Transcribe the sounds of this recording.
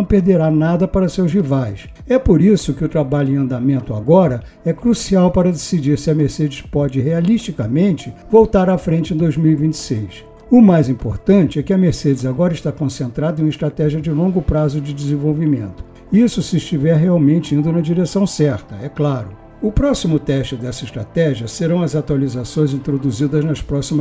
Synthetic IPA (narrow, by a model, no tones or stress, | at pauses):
nɐ̃w̃peɾd̪eɾanad̪ɐpaɾɐsewzhivajs | ɛpoɾisʊkɪʊt̪ɾabaʎʊẽɐ̃nd̪amẽnt̪ʊa̰ɡɔɾɐ | ɛkɾusiawpaɾɐd̪esid͡ʒiɾsɪɐmeɾsed͡ʒɪspɔd͡ʒɪɦealiʃt͡ʃikɐmẽnt͡ʃɪvowt̪aɾɐfɾẽnt͡ʃɪẽd̪ojzmiwivĩt͡ʃɪ̥sejs | ʊmajzĩpo̰ɾt̪ɐ̃nt͡ʃɪɛkɪɐmeɾsed͡ʒɪzaɡɔɾɐɪʃt̪akõsẽnt̪ɾad̪ɐẽɪst̪ɾat̪ɛʒijɐd͡ʒɪlõŋɡʊpɾazʊd͡ʒɪd͡ʒɪzẽvowvimḛ̃nt̪ʊ̥ | isʊsɪʃt͡ʃivɛɾɦeawmẽnt͡ʃɪĩnd̪ʊnɐd͡ʒiɾesɐ̃w̃sɛɾt̪ɐɛklaɾʊ | ʊpɾɔsimʊt̪ɛʃt͡ʃɪd̪ɛsɐiʃst̪ɾa̰t̪ɛʒiɐseɾɐ̃w̃ɐzat̪walizasõj̃zĩnt̪ɾod̪uzid̪ɐznɐspɾɔsimɐ